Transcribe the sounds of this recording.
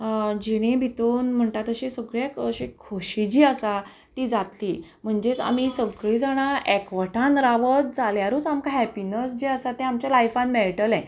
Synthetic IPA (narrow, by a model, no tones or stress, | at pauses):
d͡ʑiɽ̃ẽbʱit̪uːnm̤əɳt̪at̪əɕisəɡɾjakəɕekʰːoɕid͡ʑiːəsa | t̪iːd͡zat̪liːm̤əɳd͡ʑet͡sa̰misəɡɭid͡zaɽ̃aɛkʋəʈʰãnɾaʋət̪̚d͡zaljaɾut͡samkaɦɛpinəsd͡ʑiəsat̪ẽamt͡ɕalajfãnmeɭʈəlɛ̃